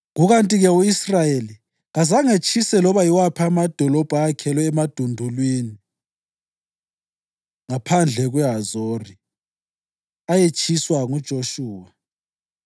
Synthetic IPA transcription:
ɣuɣantʼiɣɛuisrajeli | ɣazaŋet͡ʃʰʼisɛlɔβaiwapʰamad̥ʱɔlɔb̥ʱaːkʰɛlɔɛmad̥ʱundʱulwiːni | ŋapʰand͡ɮʱɛɣwɛɦazoːri | ajet͡ʃʼʰiswaŋud̥ʒ̥ʱoʃuːwa

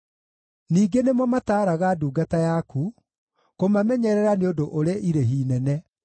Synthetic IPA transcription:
niːɡenemɔmataːɾaɣaduːɡatajakʰu | komamɛɲɛɾɛɾaneodoʔoɾeɛʔiɾeɦiːnɛnɛ

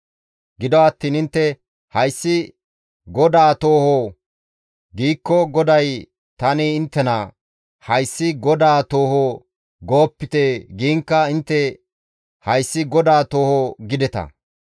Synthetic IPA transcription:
ɡɪd̪ɔɐt̪ːiːnɪnt̪ːɛ | hɐjsːɪ | ɡɔd̪aːt̪oːhɔ | ɡiːkːɔɡɔd̪ɐj | t̪ɐnɪɪnt̪ːɛnɐ̰ | hɐjsːɪɡɔd̪aːt̪o̞ːhɔ | ɡoːpːɪt̪eɡiːŋkːɐɪnt̪ːɛ | hɐjsːɪɡɔd̪aːt̪o̞ːhɔɡɪd̪ɛt̪ɐ̰

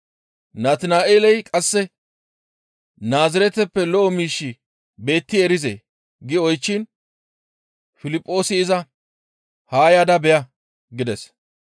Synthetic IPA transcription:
naːt̪ɪnaːʔeːlɛjkʼɐsːɛ | naːzɪɾɛt̪ɛpːɛlɔʔːmiːʃːɪ | be̞ːt̪ːɪɛɾɪzḛː | ɡɪɔjt͡ʃːɪn | fɪlɪpʼːo̞ːsɪɪzɐ | haːjad̪ɐbɛjɐ | ɡɪd̪ɛs

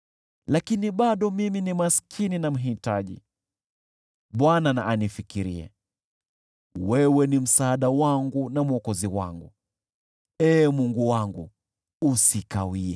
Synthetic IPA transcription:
lakiniɓaɗɔmiminimaskʰininam̩ɦitaʄḭ | ɓwananaʔanifikiɾḭɛ̰ | wɛwɛnim̩saːɗawaŋɡunam̩ɔkɔziwa̰ŋɡu | ɛːmuŋɡuwaŋɡṵ | usikawiɛ

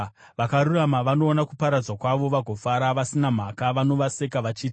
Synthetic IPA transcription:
ʋakaɾuramaʋano̞ːnakupaɾad͡zwakwaʋo̞ʋaɡʱo̞faɾaʋasinam̤akaʋano̞ʋase̞kaʋat͡ʃiːti

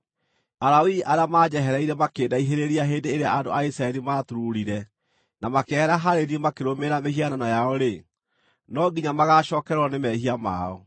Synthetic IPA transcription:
aɾawiʔaɾamaːd͡ʑɛɦɛɾɛiɾɛmakeːdaiɦeɾeɾiaɦendeːɾeaando̰aisɾaɛɾimaːtuɾuɾiɾɛ | namakehɛɾaɦaɾeɾiemakeɾomeɾamehiananajaɔɾe | nɔɡiɲamaɣaɕɔːkɛɾɾɔnemɛhiama̰ɔ

